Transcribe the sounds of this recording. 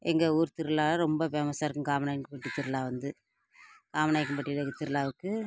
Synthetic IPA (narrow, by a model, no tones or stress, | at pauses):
ɛŋɡɐuːɾt̪ɪɾɯlaːɾɔmbɐpeːmɐsaːɾɯkːɯ̃kaːmɐnaːjkːɯpɐʈːit̪ɪɾɯlaːʋɐnd̪ɯ | kaːmɐnaːjɪkːɯpɐʈːilɐkːt̪ɪɾɯlaːʋɯkːɯ